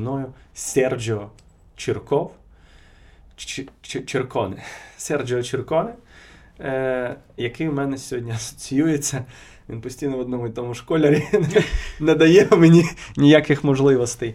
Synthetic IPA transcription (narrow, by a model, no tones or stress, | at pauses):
nɔjʊsʲɛrd͡ʒɔɦɔ | t͡ʃɪrkɔw | t͡ʃt͡ʃt͡ʃt͡ʃɪrkɔnɪsʲɛrd͡ʒɔɦɔt͡ʃɪrkɔnɪ | jɐkɪjwmɛnɛsʲɦɔdʲnʲiɐsɔ̥t͡sʲijujet͡sʲːɐ | ʋʲinpɔsʲtʲijnɔʋɔd̪nɔmʊjt̪ɔmʊʃkɔlʲɐɾʲinnɛd̪ɐjɛmenʲinʲijakɪxmɔʒlˠɪʋɔst̪ɛj